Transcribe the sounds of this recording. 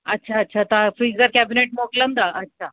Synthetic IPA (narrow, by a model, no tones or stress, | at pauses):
ətːɕʰaətːɕʰat̪afɾiɡzəɾkæbineʈ̚moklənd̪aʔətːɕʰa